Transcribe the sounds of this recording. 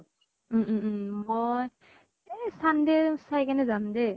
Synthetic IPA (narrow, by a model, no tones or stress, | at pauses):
moj | sand̪ɛsajkanɛzand̪ɛ